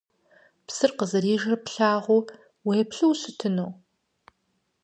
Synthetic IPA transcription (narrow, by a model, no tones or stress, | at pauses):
psɨrqəzɐɾiːʒɐpɬaːʁʷʊ | wejɛpɬɨwɕɪtʰɨnoː